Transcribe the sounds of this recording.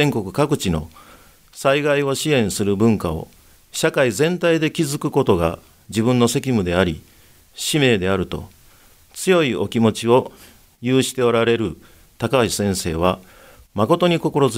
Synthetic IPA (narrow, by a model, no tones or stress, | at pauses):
ẽ̞ŋko̞kɯ̟̥kakɯ̟t͡ɕino̞̰ | saiɡaio̞ɕiẽ̞ɰ̃sɨɾɯ̟bɯ̟̃ŋkao̞̰ | ɕakaizẽ̞nt̪aid̪e̞kʲizɨkɯ̟ko̞t̪o̞ɡa̰ | d͡ʑibɯ̟̃nːo̞se̞kʲimɯ̟d̪e̞aɾʲi | ɕime̞ːd̪e̞aɾɯ̟t̪o̞̰ | t͡sɨjo̞io̞kʲimo̞t͡ɕio̞ | jɯːɕi̥t̪e̞o̞ɾaɾe̞ɾɯ̟ | t̪akaisẽ̞ɰ̃se̞ːβ̞a | mako̞t̪o̞ɲ̟iko̞ko̞ɾo̞z